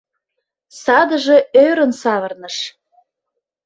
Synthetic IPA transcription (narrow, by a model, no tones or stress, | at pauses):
sɑd̪ə̆ʒe̽øɾə̆nsɑβərnə̆ʃ